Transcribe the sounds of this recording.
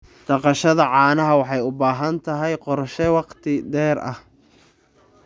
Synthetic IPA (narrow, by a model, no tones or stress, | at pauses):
d̪̥ɑqɑʃɐðɐʕɑːnɐɦɐwɑħɑjʊbaːɦɐnt̪ʰɐɦɛjqɔrʃɛwɑqt̪ʰɪd̪ɛːɾʔɐ̰h